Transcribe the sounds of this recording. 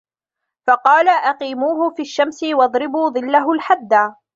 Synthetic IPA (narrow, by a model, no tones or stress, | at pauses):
fɑqɑːlaʔaqiːmuːɦʊfiːʃːamsɪwɑðˤɾɪbuːðˤɨlːaɦʊlħad̪ːa